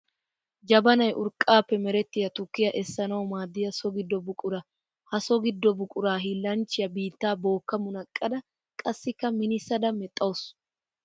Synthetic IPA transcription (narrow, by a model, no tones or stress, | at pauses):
d͡ʒɐbɐnɐjʔʊɾkʼːaːpːɛmɛɾɛt̪ːɪjɐt̪ʊkːɪjɐʔɛsːɐnɐwɔmaːd̪ːɪjɐsɔɡɪd̪ːɔbʊkʼʊɾɐ | hɐsɔɡɪd̪ːɔbʊkʼʊɾaːɦiːlːɐnt͡ʃːɪjɐbiːt̪ːaːbo̞ːkːɐmʊnɐkʼːɐd̪ɐ | kʼɐsːɪkːɐmɪnɪsːɐd̪ɐmɛt̪ʼːɐwʊs